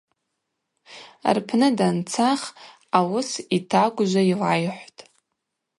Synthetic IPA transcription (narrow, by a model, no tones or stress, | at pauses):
a̰rpʰnɨdant͡sʰaχ | awʊsitʰakʷʼʊʒʷailajħʷtʼ